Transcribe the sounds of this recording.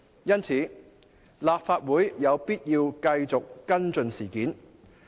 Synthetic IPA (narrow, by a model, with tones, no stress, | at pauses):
jɐ˥nt͡sʰiː˨˥ | laː˨p̚faː˧t̚wuː˨˥jjɐ˨˧wpiː˥t̚jiː˧wkɐ˧jt͡sʊ˨kːɐ˥nt͡sɵ˨˧nsiː˨˩kiː˨˥n